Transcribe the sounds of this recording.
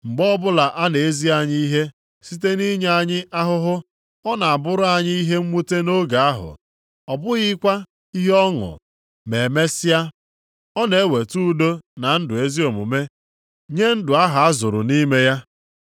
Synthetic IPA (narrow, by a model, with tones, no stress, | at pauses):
ŋ͡m̩˨ɡ͡bɔ˦bʊ˦la˨ʔa˦ne˨e˦zi˦a˨ɲi˦i˦ɦe˦ | si˦te˦ni˦ɲe˦a˨ɲɪ˦a˦ɦʊ˦ɦʊ˦ | ɔ˦na˨a˨bʊ˦ɾʊ˦a˨ɲɪ˦i˦ɦe˦ŋ͡m̩˦mu˦te˦no˦ɡa˨a˦ɦʊ̰˨ | ɔ˨bʊ˦ɣɪ˦kʷa˦ | i˦ɦɔ˦ŋʊ̰˨ | me˨e˨me˦sɪ˦a˦ | ɔ˦ne˨˦we˨tu˦do˦na˨n̩˦dʊ˨e˦zi˦o˨mṵ˨me˦ | ɲe˦n̩˦dʊ˨a˦ɦa˨a˦zʊ˨ɾʊ̰˨ni˦me˦ja˦